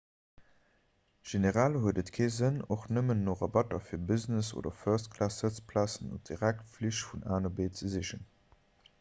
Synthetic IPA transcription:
ʒ̥eneʁalhuədətkʰeːzənoχnəmənːoːʁɑbɑtɐfiːɐbiznəso̰ːdɐføːɐstkʰlaːsət͡spʰlaːsənṵp̚d̥iʁæk̚tfliʃtfunaːnɐbeːt͡səziʃən

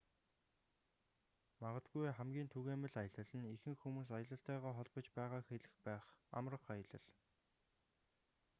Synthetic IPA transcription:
maʁə̆t̪ɡujχæmɡʲiːnt̪ʰuɣeːmɘ̆ɮajə̆ɮə̆ɮɘ̆nixɘ̆ŋxumuːs̬ajə̆ɮə̆ɬt̪æːʁæːχɔɮpɞ̆t͡ɕpæːʁaːxeɮɘ̆xpæːχa̰mrə̆χajə̆ɮə̆ɮ

